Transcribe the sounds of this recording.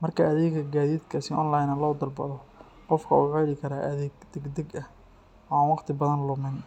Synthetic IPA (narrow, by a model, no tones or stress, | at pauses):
mɐrkʰɐɐðɛːɡkʰɐɡaːðiːd̪kʰɐsɪʔɔnlɑjnɐlɔːd̪ɐrbɐðɔ | qɔfkʰɐuːʕɛlɪkʰɐɾaːʔɐðɛːɡd̪̥ɛɡd̪ɛɡɐh | ɔɑːnwɑqt̪ʰɪbɐðɐnlʊmɛn